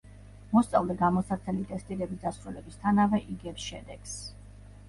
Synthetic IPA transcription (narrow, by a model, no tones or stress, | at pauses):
mɔst̪sʼa̰lˠd̪ɛɡamɔsaɾt̪ʰɛlit̪ʼɛst̪ʼiɾɛbisd̪asɾulɛbist̪ʰanavɛʔiɡɛpsʃɛ̰d̪ɛɡ̥s